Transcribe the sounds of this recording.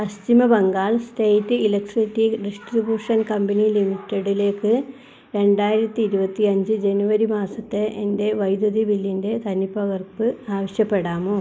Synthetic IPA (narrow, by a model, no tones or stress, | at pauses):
pɐst̪imɐbɐŋɡaːɭstejtːɨilɐkʈrstːiɖisʈribjuːʂɐnkɐmbɐnilimitːeɽile̞ːkːɨ | ɾe̞ɳɖaːjiɾɐt̪ːiiɾubɐt̪ːiɐɲd͡ʑɨd͡ʑe̞nuʋɐɾimaːsɐt̪ːe̞ʔende̞ʋɐjd̪ɐðibilːinde̞t̪ɐnipːɐɣɐrpɨaːʋɐɕjɐpːe̞ɽaːmoː